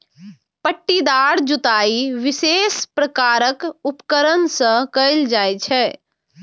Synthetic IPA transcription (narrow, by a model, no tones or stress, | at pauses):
pəʈːid̪aːɾd͡ʒut̪aːiʋɪseːspɾəkaːɾəkupkəɾənsə̃kəɪld͡ʒaːjt͡ʃʰɛː